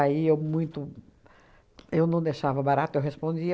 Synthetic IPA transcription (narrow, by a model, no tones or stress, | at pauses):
aiewmũj̃t̪ʊ | ewnɐ̃w̃d̪eʃavɐbaɾat̪ʊewɦespõnd͡ʒi